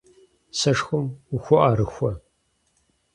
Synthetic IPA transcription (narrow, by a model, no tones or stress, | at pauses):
sɐʂxʷɔmʊxʷɔʔaɾɨxʷɔ